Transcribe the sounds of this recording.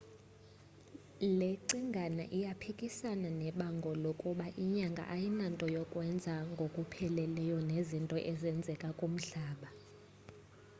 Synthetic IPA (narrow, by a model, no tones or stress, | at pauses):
leǀiŋɡʱanaʔijapʰikʼisananɛɓaŋɡʱɔlokʼuɓaʔiɲaŋɡʱa̰ʔajinantʼɔjɔkʼwɛnd͡zʱaŋɡʱokʼupʰɛlɛlɛjɔnezintʼɔʔɛzɛnd͡zʱɛkʼakʼum̩ɬaːɓa